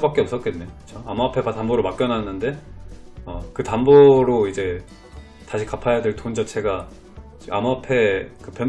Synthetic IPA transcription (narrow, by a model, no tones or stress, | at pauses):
bak͈eʌps͈ʌt̚k͈enːejokɯt͡ɕʰoamuapʰe̞patamboɾomak͈jʌnɦanːɯnde̞ | ʌkɯtamboɾoid͡ʑe̞ | taɕʰikapʰajadwe̞ɭtond͡ʑʌt͡ɕʰe̞ɡa | t͡ɕiamuapʰe̞kɯpjʌn